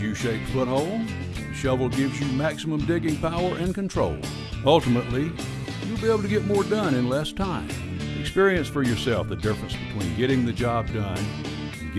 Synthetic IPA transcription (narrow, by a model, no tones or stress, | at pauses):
jɨʃeɪpfʊt̚hoʊlˠ | ʃʌvl̩ˠɡɪvzjɨmæksəmə̃mdɪɡɪ̃ŋpʰaʊə˞ʔɨ̃nkɨ̃ntʰɹ̥o̰ʊlˠ | ʌlˠtəmətˡli | jɨlˠbieɪbl̩ˠtɨɡɛt̚mɔɹdʌ̃nɨ̃nlɛstʰãɪ̃m | ɨkspɪɹiɨ̃nsfə˞jə˞sɛlˠfðɨdɪfɹɨ̃nsb̥ɨtʰw̥ḭ̃nɡɛɾɪ̃ŋðɨd͡ʒɑb̚dʌ̃ñ | nɡ